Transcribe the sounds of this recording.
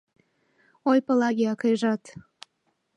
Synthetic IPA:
ojpəlɑɣʲeɑkəjʒɑt̪

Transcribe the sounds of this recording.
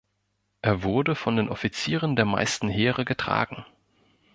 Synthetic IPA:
ʔeːɐvʊɐdəfɔndeːnʔɔfit͡siːʁ̞əndeːɐma̰ɪstn̩ɦeːʁəɡətʁ̥a̰ːɡŋ̩

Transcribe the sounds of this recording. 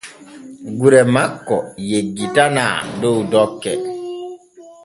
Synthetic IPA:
ɡuɾɛmakːɔjeɡːitana̰ːdowudɔkːɛ̰

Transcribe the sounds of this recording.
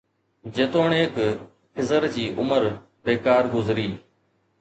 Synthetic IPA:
d͡ʑeːt̪oːɳeːk | kʰɪzəɾd͡ʑiːʔʊməɾ | beːkaːɾɡʊzɾiː

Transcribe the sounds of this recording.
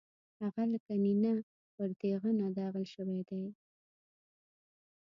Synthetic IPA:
haɣalakanina | pəɾt̪eɣənad̪ɑɣəlʃəwed̪aj

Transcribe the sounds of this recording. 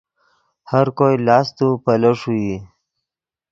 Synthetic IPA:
haɾkojlɑːst̪upələʂuji

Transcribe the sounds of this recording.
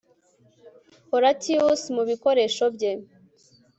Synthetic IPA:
hoɾatʰiusmuβiko̞ɾe̞ʃo̞bɟe

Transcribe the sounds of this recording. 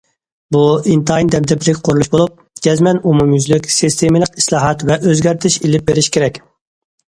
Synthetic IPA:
buint̪jnd̪ɛp̚d̪ɛpɪɾɪkʲqʰoɾulˠuʃbolˠup̚ | d͡ʒʲɛzmɛnumumjyzlykʲsist̪emɨlˠəqi̥slˠɑːɦɑt̪vɛʔøzɡʲæɾt̪ʰɪʃilɪp̚beɾɪʃkʲʰeɾɛkʲ

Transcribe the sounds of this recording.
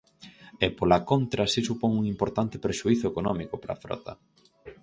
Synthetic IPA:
ɛpolakont̪ɾɐsisupɔŋuŋimpoɾt̪ant̪ɪpɾeʃuiθʊekonɔmikʊpɾɐ̰fɾɔ̰t̪ɐ̰

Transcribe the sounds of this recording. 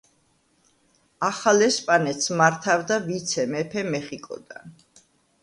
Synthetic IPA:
aχalɛspʼanɛt̪smaɾt̪ʰavd̪avit̪sʰɛmɛpʰɛmɛχikʼɔ̰d̪̥a̰n

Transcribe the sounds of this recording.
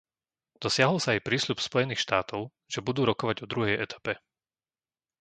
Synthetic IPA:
d̪̥ɔsɪaɦɔlsaːjpɾiːslupspɔjɛniːxʃt̪aːt̪ɔʊ | ʒɛbud̪uːɾɔkɔʋaɟɔd̪ɾuɦɛjɛt̪ʰḁpɛ

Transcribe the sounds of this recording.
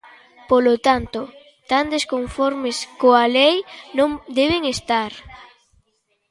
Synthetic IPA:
polot̪ant̪o | t̪and̪eskoɱfɔɾmeskoalejnõŋd̪eβ̞eŋest̪aɾ

